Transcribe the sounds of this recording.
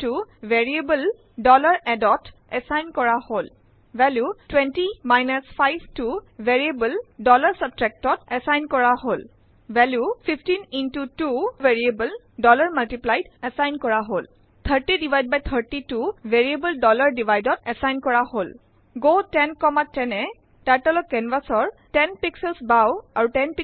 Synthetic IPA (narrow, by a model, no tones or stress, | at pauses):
tuvɛɹiebəl | dɔlaɹɛdɔt | ɛsajnkɔɹahol | vɛljutwɛntimajnasfʰajbtuvɛɹiebəldɔlaɹsab̚tɹɛk̚tɔtɛsajnkɔɹahol | vɛljufʰifʰtinintutuveɹiebəl | dɔlaɹmaltiplajdɛsajnkɔɹaɦol | t̪ʰəɹtidivʱajd̚bajt̪ʰəɹtituveɹiebəldɔlaɹdivʱajdɔtɛsajnkɔɹahol | ɡotɛnkɔmatːɛnɛ | taɹtɛlɔɛnvasɔɹtɛnpiksɛlsbawaɹutɛnpi